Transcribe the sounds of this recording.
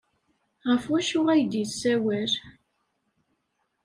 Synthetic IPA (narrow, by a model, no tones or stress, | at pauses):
ʁəfwæʃʊʁæjd̪iθsæwæɾ